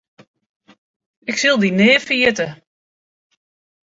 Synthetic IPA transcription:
ɪksɪlˠdinɪːfiətə

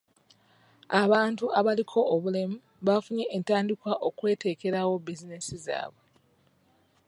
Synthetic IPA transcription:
aβaːntuaβalikʰo̞ʔːβule̞mu | βafuɲe̞ʔːntaːndikwaʔo̞kwe̞ːte̞ːke̞ɾawo̞bizine̞siza̰ːβwe̞

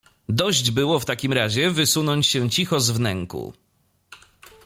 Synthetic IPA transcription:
d̪ɔʑd͡ʑbɘwɔft̪akʲimɾaʑɛvɘsunɔɲt͡ɕɕɛt͡ɕixɔzvnɛŋkṵ

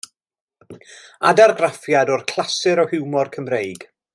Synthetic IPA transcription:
a̰darɡrafjadɔrkʰl̥ˠasɨɾɔhɪwmɔrkʰəmrejɡ̥

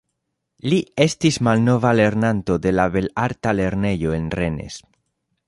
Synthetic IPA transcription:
lie̞stismalno̞vale̞ɾnant̪o̞d̪e̞laβe̞laɾtale̞ɾne̞jo̞enre̞ne̞̰s

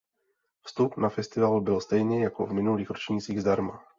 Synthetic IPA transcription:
fst̪upnafɛst̪ɪvalbɪlst̪ɛjɲɛjako̰vmɪnuliːxɾot͡ʃɲit͡siːɣzd̪aɾma

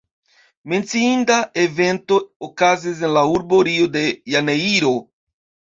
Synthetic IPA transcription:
me̞nt͡siindae̞ve̞nto̞okazis̬enlauɾbo̞ɾio̞de̞janeiɾo̞

